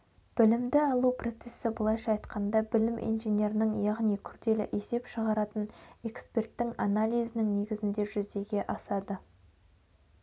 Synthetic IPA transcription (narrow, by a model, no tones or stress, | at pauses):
b̥ɪlɪmd̪ɪɑlˠupʰro̞t̪se̞sːɪbʊlˠɑjʃɑːjt̪qɑnd̪ɑbɪlɪmʔḭnʒenʲe̞ɾɪnɪŋjɑʁnijkʲʰʏɾd̪e̞lɪ̰ʔe̞se̞pʃəʁɑɾɑt̪əne̞kspe̞rt̪ːɪŋanalʲˠijzɪnɪŋne̞ɡʲɪzɪnd̪e̞ʒʏzd̪e̞ɡʲe̞ʔɑsɑd̪ə